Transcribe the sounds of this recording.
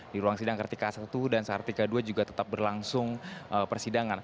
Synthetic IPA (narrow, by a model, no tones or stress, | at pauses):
diɾuaŋsidaŋkərt̪ikasat̪udansəkərt̪ikaduad͡ʒuɡat̪ə̥t̪ap̚bərlaŋsʊŋʔəpərsidaŋan